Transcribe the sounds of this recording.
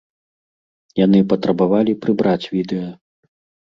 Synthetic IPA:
jan̪ɨpɐt̪ɾɐbavalʲipɾɨbɾat͡sʲvʲid̪ɛjɐ

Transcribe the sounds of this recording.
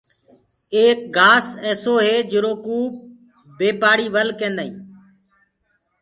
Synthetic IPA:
eːk̚ɡaːseːsoːɦeːd͡ʒɪɾoːkuːp̚ | beːpaːɽiːʋəlkẽːnd̪aːĩː

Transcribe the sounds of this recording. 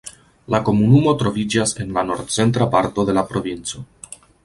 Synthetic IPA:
lako̞munumo̞tɾo̞vid͡ʒase̞nlano̞ɾdt͡se̞ntɾapaɾto̞d̪e̞lapɾo̞vint͡so̞

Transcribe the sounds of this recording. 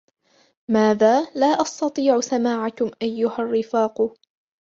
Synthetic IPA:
maːðaːlaːʔɑst̪ɑt̪ˤiːʕʊsamaːʕakʊmʔajːʊharːɪfaːq

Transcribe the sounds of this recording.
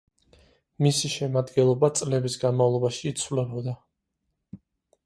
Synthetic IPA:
misiʃɛmad̪ɡɛnlˠɔbat̪sʼlɛbisɡanmavlˠɔbaʃiːt̪sʰwvlɛbɔd̪a

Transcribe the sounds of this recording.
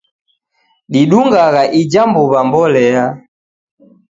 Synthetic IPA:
ɗiɗuŋɡaɣaʔid͡ʒambuβambɔlɛa

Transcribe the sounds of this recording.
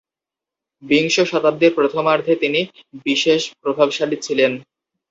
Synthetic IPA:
biŋʃoʃɔt̪ab̚d̪eɾpɾot̪ʰomaɾd̪ʱet̪inibiʃeʃpɾobʱabʃalit͡ɕʰilen

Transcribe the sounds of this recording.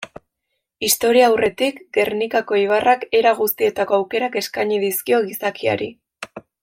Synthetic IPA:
ist̪o̞ɾiaːwre̞t̪ikɡe̞rnikako̞iβ̞arʔake̞ɾaɣust̪ie̞t̪ako̞awke̞ɾake̞skaɲiðiskio̞ɣisakia̰ɾḭ

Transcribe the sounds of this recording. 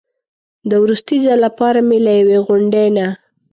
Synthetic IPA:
d̪əwɾust̪izalapɑɾamelajaweɣʊɳɖena

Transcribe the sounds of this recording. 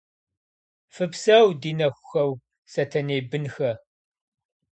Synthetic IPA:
fɨpsɐwdiːnɐxʷʊxɐw | sɐtʰɐneːbɨnxɐ

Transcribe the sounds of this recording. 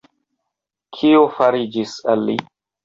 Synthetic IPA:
kʰiofaɾid͡ʒisalːḭ

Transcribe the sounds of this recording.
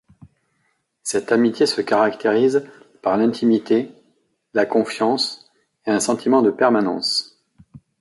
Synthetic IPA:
sɛt̪amit̪ʲjesəkaʁakt̪eʁiz | paʁlɛ̃t̪ʰimit̪e | lakɔ̃fjɑ̃s | eɛ̃sɑ̃t̪ʰimɑ̃d̪əpɛʁmanɑ̰̃s

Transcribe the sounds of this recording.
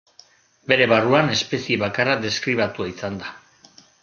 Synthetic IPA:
be̞ɾe̞βaruane̞spe̞sieβakarad̪e̞skɾiβ̞at̪uaisand̪a

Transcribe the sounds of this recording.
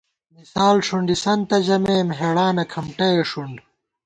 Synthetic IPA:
misaːlʂuɳɖisɐnt̪ɐd͡ʑɐmeːmɦeɽaːnɐkʰɐmʈɐjeʂuɳɖ

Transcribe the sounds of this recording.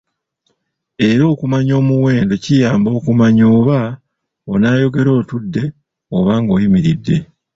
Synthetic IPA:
e̞ɾo̞ːkumaɲo̞ːmuwe̞ːndo̞cijaːmbo̞ːkumaɲo̞ːβa | onaːjo̞ɡe̞ɾo̞ːtudːe̞ | oβaːŋɡo̞ːjimiɾidːe̞

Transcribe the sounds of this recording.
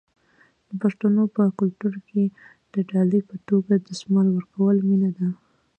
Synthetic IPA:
d̪̥əpaʂt̪anopəkʊlt̪uɾke | d̪̥əɖɑlipət̪oɡad̪əsmalwəɾkawəlminad̪a

